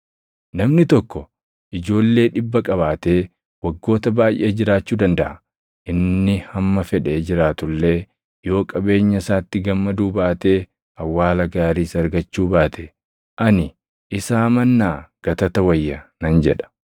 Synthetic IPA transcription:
nɐmnɪt̪ɔkːɔ | ʔɪd͡ʒo̞ːlːe̞ːᶑɪbːɐkʼɐbaːt̪e̞ː | wɐɡːo̞ːt̪ɐbaːjʔed͡ʒɪɾaːt͡ʃːuːd̪ɐnd̪ɐʔɐ | ʔɪnːɪhɐmːɐfɛᶑe̞ːd͡ʒɪɾaːt̪ʊlːe̞ː | jo̞ːkʼɐbe̞ːɲːɐsaːt̪ːɪɡɐmːɐd̪uːbaːt̪e̞ː | ɐwːaːlɐɡaːɾiːsɐɾɡɐt͡ʃːuːbaːt̪ʰe | ʔɐnɪ | ʔɪsaːmɐnːaːɡ̥ɐt̪ɐt̪ɐwɐjːɐnɐnd͡ʒɛᶑɐ̥

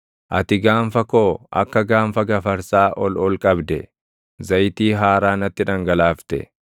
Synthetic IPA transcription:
ʔɐt̪ɪɡaːɱfɐkoːɐ̰kːɐɡaːnfɐɡɐfɐɾsaːʔɔlɔlkʼɐbd̪ɛ | zɐjt̪iːɦaːɾaːnɐt̪ːɪᶑɐŋɡɐlaːft̪ɛ̰

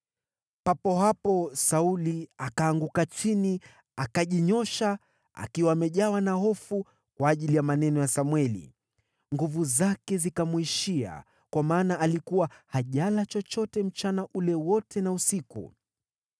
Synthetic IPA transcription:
papɔɦapɔsauliakaːŋɡukat͡ʃini | akaʄiɲɔʃa | a̰kiwaːmɛʄawanaɦɔfu | kwaːʄilijamanɛnɔjasamwɛlḭ | ŋɡuvuzakɛzikamuiʃia̰ | kwamaːnaʔalikuwahaʄalat͡ʃɔt͡ʃɔtɛm̩t͡ʃanaʔulɛwɔtʰɛnausikṵ

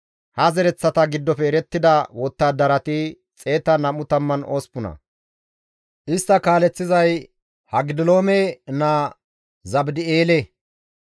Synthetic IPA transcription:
hɐzɛɾɛt͡sːɐt̪ɐɡɪd̪ːɔfɛːɾɛt̪ːɪd̪ɐwɔt̪ːaːd̪ɐɾɐt̪ɪ | t͡sʼe̞ːt̪ɐnɐmʊt̪ɐmːɐnoːspʊnɐ̰ | ʔɪst̪ːɐkaːlɛt͡sːɪzɐj | hɐɡɪd̪ɪlo̞ːmɛna | zɐbd̪ɪeːlɛ

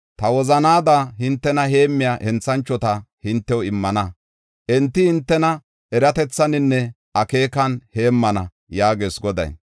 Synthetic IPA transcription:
t̪ɐwɔzɐnaːd̪ahɪnt̪ːɛnɐhe̞ːmːɪjaːʔɛnt͡sːɐnt͡ʃːɔt̪ɐhɪnt̪ːɛwɪmːɐnɐ | ʔɛnt̪ːɪhɪnt̪ːɛnɐ | ɛɾɐt̪ɛt͡sːɐnɪnːɛ | ʔɐke̞ːkɐnhe̞ːmːɐnɐ | jaːɡe̞ːsɡɔd̪ɐ̰j

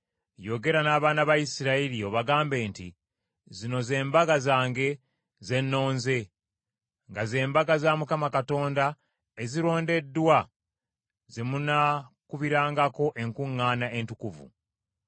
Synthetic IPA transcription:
jo̞ɡe̞ɾanaːβaːnaβajisiɾailio̞βaɡaːmbe̞ːnti | zino̞ze̞ːmbaɡazaːŋɡe̞ | ze̞nːo̞ːnze̞ | ŋɡaze̞ːmbaɡazamukamakato̞ːnda | eziɾo̞ːnde̞dːwa | ze̞munakuβiɾaːŋɡako̞ʔe̞ŋkuŋːaːnaʔe̞ntukuvṵ

